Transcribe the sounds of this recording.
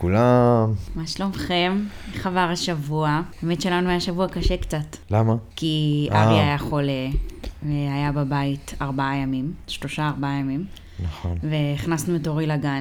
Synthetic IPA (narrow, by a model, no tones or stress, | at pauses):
kulammaʃlo̞mχe̞mχavaʁaʃavuaaemetʃe̞lanuajaʃavuakaʃekt͡satlamakiʔaʁiajaχo̞leveajababaitaʁbaajamimʃlo̞ʃaːʁbaajamim | naχonve̞iχnasnuetoʁilaɡan